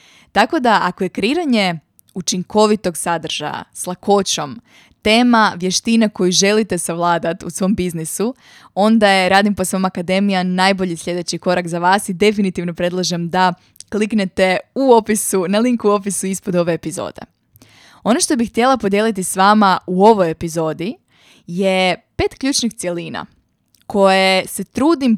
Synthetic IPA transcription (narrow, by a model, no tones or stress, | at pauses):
t̪ako̞d̪aʔako̞je̞kɾiːɾaɲe̞ | ut͡ʃiŋko̞ʋit̪o̞ɡsad̪r̩ʒ̥a̰ja̰slˠako̞t͡ɕo̞m | t̪e̞ːmaʋje̞ʃt̪inako̞juʒe̞lit̪e̞saʋlˠaːd̪at̪usʋo̞mbiznisu | o̞nd̪ajeɾaːd̪imposʋomakad̪e̞mijanajbo̞ʎisʲʎʲe̞d̪e̞t͡ɕiko̞ɾakzaʋaːsid̪e̞finit̪iʋno̞pɾe̞d̪lˠaʒemd̪a | klikne̞t̪e̞uo̞pisunaliŋkuo̞pisuispod̪o̞ʋe̞ːpizo̞̰ːd̪̥e̞̰ | o̞noʃt̪o̞bixt̪je̞lˠapo̞d̪je̞lit̪isʋaːmauo̞ʋo̞jepizo̞ːd̪i | je̞pe̞ːt̪kʎuːt͡ʃnixt̪sje̞liːna̰ | ko̞jese̞t̪ɾuːd̪im